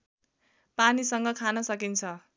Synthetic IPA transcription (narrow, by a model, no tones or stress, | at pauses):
panisʌŋɡʌkʰanʌsʌkint͡sʰʌ